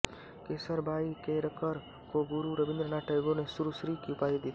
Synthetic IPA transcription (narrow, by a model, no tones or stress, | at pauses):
keːsəɾbʱaːikeɾəkəɾ | koɡʊɾuɾəbɪ̃nd̪ɾənaːʈʰəjɡonesuɾusɾikiupaːid̪it̪i